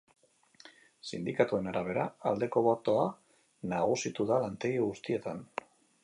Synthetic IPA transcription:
sind̪ikat̪ue̞naɾaβ̞e̞ɾaald̪e̞ko̞βo̞t̪o̞a | naɣ̞usit̪uðalant̪e̞ɣiɣust̪ie̞t̪an

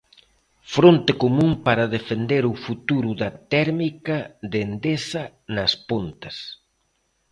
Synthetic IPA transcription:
fɾont̪ɪkomũŋpaɾɐðefend̪eɾʊfut̪uɾuðɐt̪ɛɾmikɐðend̪esɐ | nɐspont̪ɐs

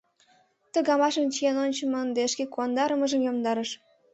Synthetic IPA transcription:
t̪ə̆ɣɑmɑʃə̆nt͡ɕijenonʲt͡ɕə̆mənd̪eʃkekuɑnd̪ɑɾəmə̆ʒə̆mjomd̪ɑɾəʃ

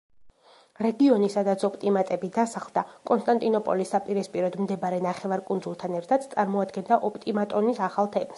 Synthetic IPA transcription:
ɾɛɡiɔnisad̪at̪sʰɔpʼt̪ʼimat̪ʼɛbid̪asaχlˠd̪akʼɔnst̪ʼant̪ʼinɔpʼɔ̰lisːapʼiɾispʼiɾɔd̪md̪ɛbaɾɛnaχɛvaɾkʼund̪zulˠt̪ʰanɛɾt̪ʰad̪t̪sʼaɾmɔad̪ɡɛnd̪aʔɔpʼt̪ʼimat̪ʼɔnisaχalˠt̪ʰɛmas

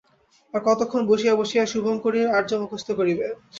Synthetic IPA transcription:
aɾkɔt̪okʰːonboʃijaboʃijaʃuboŋkoɾiɾaɾd͡ʑomokost̪ʰokoɾibe

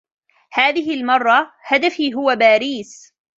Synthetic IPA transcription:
haːðɪɦɪlmɑrˤːɑhad̪afiːɦʊwabaːɾiːs

